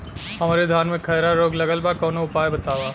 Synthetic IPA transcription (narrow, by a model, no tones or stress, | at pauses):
ɦɐmaːɾed̪ʱaːnmẽkʰɐːɾaɾoːɡlɐɡəlbakɔːnoʊpaːjebɐt̪aːʋaː